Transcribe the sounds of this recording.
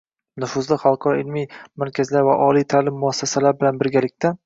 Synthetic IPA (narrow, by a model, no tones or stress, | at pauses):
nʊfʊzlɪχalˠqʰɒɾɒɪlmijmaɾkʲʰazlaɾvaʔɒlijt̪ʰalɪmːʊasːasalaɾbɪlanbɪɾɡʲalɪkʲt̪ʰa